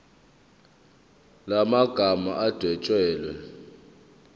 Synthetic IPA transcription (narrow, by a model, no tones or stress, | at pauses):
lamaɡ̥ʱama̰ʔad̥ʱɛt͡ʃʼwɛːlwɛ